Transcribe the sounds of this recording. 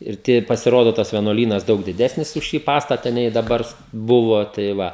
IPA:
ɪr ˈtʲiɛ pɐsʲɪˈroːdoː tɐs ʋʲiɛˈnuɔlʲiːnɐs ˈdɐʊk dʲɪˈdʲæːsʲnʲɪs ʊʃ ˈʃʲiː ˈpɑːstɐtɐ nʲɛɪ dɐˈbɐr ˈbʊʋoː tɐɪ ˈʋɐ

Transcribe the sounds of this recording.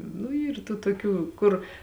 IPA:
nʊ ˈiːr tuː toːˈkʲuː ˈkʊr

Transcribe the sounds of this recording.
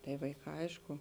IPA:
tɐɪ ʋɐɪˈkɑː ˈɐɪʃkʊ

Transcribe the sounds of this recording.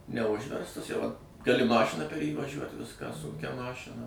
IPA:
nʲɛˈʊʒʲʋʲɛrstɐs jɛʊ ɐt ɡɐˈlʲɪ ˈmɑːʃʲɪnɐ pʲɛr jiː ʋɐˈʒʲuɔt ˈʋʲɪskɑː ˈsʊŋʲkʲɛ ˈmɑːʃʲɪnɐ

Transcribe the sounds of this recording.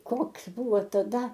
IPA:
ˈkoːks ˈbʊʋoː tɐˈdɐ

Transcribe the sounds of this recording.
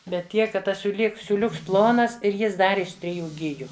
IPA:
ˈbʲɛt ˈtʲiɛk kɐt ˈtɐs sʲuːˈlʲiːk sʲuːˈlʲʊks ˈplˠoːnɐs ɪr ˈjɪs ˈdɐr ɪʃ tʲrʲɪˈjuː ˈɡʲɪjʊ

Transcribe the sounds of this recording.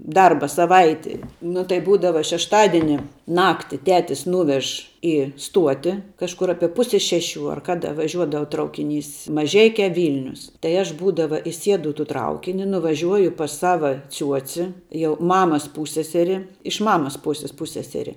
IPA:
ˈdɐrbɐ sɐˈʋɐɪtʲɪ nʊ tɐɪ ˈbuːdɐʋɐ ʃʲɛʃˈtɑːdʲiɛnʲɪ ˈnɑːktʲɪ ˈtʲæːtʲɪs ˈnuːʋʲɛʃ ɪ ˈstuɔtʲɪ kɐʃˈkʊr ˈɑːpʲiɛ ˈpʊsʲɛ ˈʃʲæːˌʃʲuː ɐr ˈkɑːdɐ ʋɐˈʒʲuɔdɐʋɐ ˈtrɐʊkʲɪˌnʲiːs mɐˈʒʲɛɪkʲɛ ˈʋʲiːlʲnʲʊs tɐɪ ˈɐʃ ˈbuːdɐʋɐ ɪˈsʲiɛdʊ ɪ tuː ˈtrɐʊkʲɪnʲɪ nʊʋɐˈʒʲuɔjʊ pɐs ˈsɑːʋɐ ˈt͡sʲuɔt͡sʲɪ jɛʊ ˈmɑːmɐs ˈpuːsʲsʲɛsʲɛrʲɪ ɪʃ ˈmɑːmɐs ˈpuːsʲɪs ˈpʊsʲsʲɛsʲɛrʲɪ

